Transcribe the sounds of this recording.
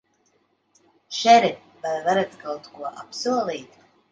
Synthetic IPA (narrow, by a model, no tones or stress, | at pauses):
ʃɛɾɛ | bajvaɾat̪kawt̪kuɔʔapsuɔlˠiːt̪